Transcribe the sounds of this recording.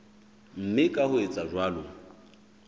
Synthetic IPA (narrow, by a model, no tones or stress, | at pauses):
m̩mɪkʼahʊet͡sʼaʒwaːlʊ